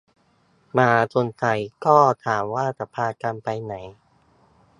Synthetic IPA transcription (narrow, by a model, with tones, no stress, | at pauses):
maː˧t̪ʰo˧nt̪ʰa˧jkɔː˥˩t̪ʰaː˩˦mwaː˥˩t͡ɕa˧˦pʰaː˧ka˧npa˧jna˩˦j